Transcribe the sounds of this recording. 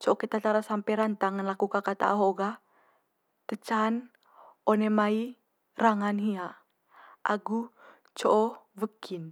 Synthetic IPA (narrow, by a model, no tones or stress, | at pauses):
t͡ʃɔʔɔkit̪at̪aɾasampɛɾant̪aŋənlakukakat̪a̰ʔɦoɡa | t̪ət͡ʃan | onemai | raŋanɦia | ʔaɡu | t͡ʃɔʔɔvəkin